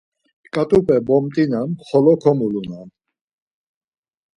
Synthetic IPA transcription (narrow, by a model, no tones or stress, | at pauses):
kʼat̪ʼupʼɛbɔmt̪ʼinanχɔlɔkʰɔmulunan